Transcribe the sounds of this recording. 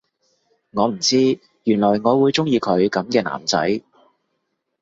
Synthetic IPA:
ŋɔː˨˧m̩˨˩t͡siː˥ | jyː˨˩nlɔː˨˩jŋɔː˨˧wuː˨˧jt͡sʊ˥ŋjiː˧kʰɵ˨˧ɥkɐ˨˥mkɛː˧na̰ː˨˩mt͡sɐ̰˨˥j

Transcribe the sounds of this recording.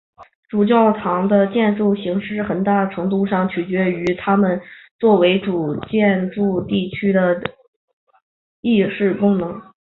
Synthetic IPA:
ʈ͡ʂu˨˩t͡ɕjɑ˥˩ʊt̪ʰɑ˧˥ŋd̪ə˧t͡ɕjɛ˥˧nʈ͡ʂu˥˩ɕi˧˥ŋʂɻ̩˥˩xə˨˩nt̪a˥˩ʈ͡ʂʰɤ˧˥ŋt̪u˥˧ʂɑ˥˩ŋt͡ɕʰy˨˩t͡ɕɥɛ˧˥y˧˥t̪ʰa˥mə˨nt͡swɔ˥˩we˧˥ɪʈ͡ʂu˨˩t͡ɕjɛ˥˧nʈ͡ʂu˥˧t̪i˥˩t͡ɕʰy˥d̪ə˨˧ | i˥˧ʂɻ̩˥˩kʊ˥ŋnɤ˧˥ŋ

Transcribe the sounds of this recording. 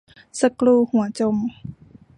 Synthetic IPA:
sa˧kluː˧˨hu˨˩˦ɐt͡ɕo˧˨m

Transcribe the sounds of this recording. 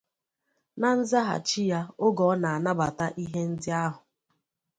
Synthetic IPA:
na˦n̩˦za˦ɦa̰˨t͡ʃi˦ja˦ʊ˦ɡɔ˨˦na˨a˨na˦ba˨ta˦ʔi˦ɦe˦n̩˦dɪ˦a˦ɦʊ˨

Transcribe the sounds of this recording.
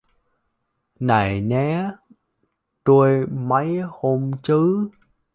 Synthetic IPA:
na˨˩jnɛ˨˦ | t̪u˧əjmə˨˦jho˧mt͡ɕɨ˨˦

